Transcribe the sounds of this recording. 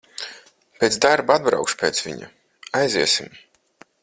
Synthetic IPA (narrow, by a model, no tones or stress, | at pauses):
pʲeːt̪sd̪aɾbuad̪̚bɾa̰wkʃpʲeːt̪svʲḭɲṵ | ajziɛsim